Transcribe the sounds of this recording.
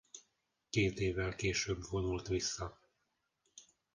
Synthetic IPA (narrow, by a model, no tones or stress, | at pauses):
keːt̪eːvːɛlkeːʃøːbvo̞nult̪ʋisːɒ